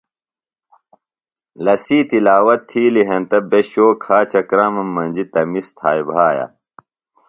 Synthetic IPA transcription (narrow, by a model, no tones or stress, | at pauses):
lɐsiːt̪ilaːwɐt̪ʰːiːliɦɐnt̪ɐbeɕoːkʰaːt͡ɕɐkɾaːmɐmːɐnd͡ʑit̪ɐmist̪ʰaːjbʱaːja̰